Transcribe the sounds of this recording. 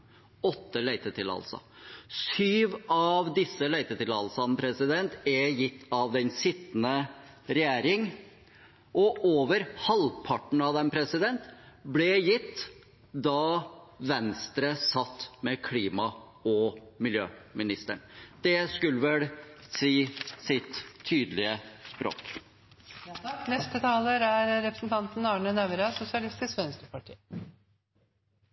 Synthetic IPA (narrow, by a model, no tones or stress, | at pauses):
ɔt̪ːəlæɪt̪ət̪ʰɪlɑ̰lsɔ̰ | syːʋɑʋd̪ɪsːəlæɪt̪ət̪ɪlɑlsɑnəpʰɾɛsɪd̪ɛnt̪ɛjɪt̪ʰːɑʋd̪ɛnsɪt̪ːnə | ɾɛjæːɾɪŋ | ʔɔʔoːʋəɾhɑlpʰɑʈɳ̩ɑʋd̪ɛmpʰɾɛsɪd̪ɛnt̪blɛjɪt̪ː | d̪ɑʋɛnst̪ɾəsɑt̪ːmɛkʰliːmɑ | ɔmɪljø̰ːmɪnɪst̪əɳd̪̥ɛskʉlːəʋɛlsiːsɪt̪ʰːyːd̪əlɪəspɾo̰ːk | nɛst̪ət̪ʰɑːləɾæɾɾɛpɾəsnt̪ʰɑnt̪n̩ɑːɳənæʋɾɑsʊsɪɑlɪst̪ɪskʋɛnst̪ɾəpɑʈʰḭː